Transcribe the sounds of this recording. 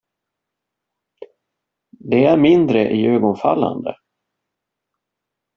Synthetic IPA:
d̪ɛæɾmɪnd̪ɾəʔɪøːɡɔnfa̰lːa̰nd̪ə̰

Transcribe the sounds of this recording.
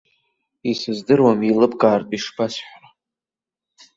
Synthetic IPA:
isɨzdɨrwamilɨpʰɡʼaːrtʼiʂbasħʷra

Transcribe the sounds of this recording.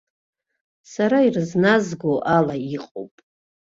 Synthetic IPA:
saɾairɨznazɡoʔalaiqʼo̰wpʼ

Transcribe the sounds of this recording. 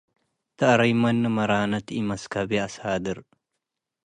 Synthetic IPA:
t̪ɐʔɐɾɐjmɐnːɨmɐɾaːnɐt̪ʔimɐskɐbeɐshaːd̪ɨɾ

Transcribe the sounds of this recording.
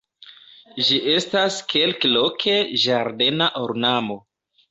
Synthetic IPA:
ʒiʔe̞staskʰe̞lklo̞kʰe̞ʒaɾde̞naʔoɾnamo̞

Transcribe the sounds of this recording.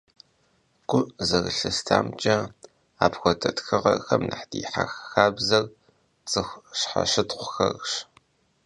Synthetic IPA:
ɡʷʊzɐɣɨɬɨstʰaːmt͡ʃʼɐ | aːpxʷɔtʰʼɐtxɨʁɐ̰rxɐmna̰ħdiːħaxxaːbzɐr | t͡sʼɨxʷɕħa̰ʃɨtqʷʊxɐrɕ

